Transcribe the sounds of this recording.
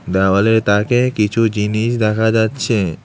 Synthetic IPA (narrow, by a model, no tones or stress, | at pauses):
d̪ɛwaleɾt̪akekit͡ɕʰud͡ʑiniʃd̪ɛkʰad͡ʑatːɕʰe